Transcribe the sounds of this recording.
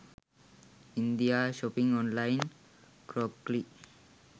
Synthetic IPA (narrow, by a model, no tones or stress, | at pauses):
ind̪iaʃɔpiŋɔnlajn | kɾɔp̚klik̚